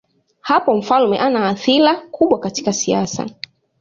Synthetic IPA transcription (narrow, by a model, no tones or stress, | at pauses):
hapɔm̩falmɛʔanaːθilakʰuɓwakati̥kasiasa̰